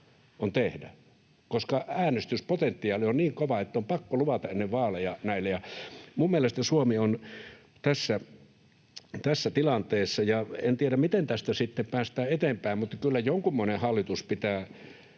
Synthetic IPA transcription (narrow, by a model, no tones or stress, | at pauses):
ont̪ehdæ | koskɑæːnest̪yspot̪ent̪ːiɑːlionniːŋkoʋɑet̪ːæompɑkːoluʋɑt̪ɑʔʔenːeʋʋɑːlejɑnæilːejɑmummielest̪æsuomion | t̪æsːæ | t̪æsːæt̪ilɑnt̪eːsːɑjɑent̪ieɾæmmit̪ent̪æst̪æsit̪ːempæːst̪æːet̪empæˑimmut̪ːɑkylːæjoŋkumːoenehɑlːit̪uspit̪æː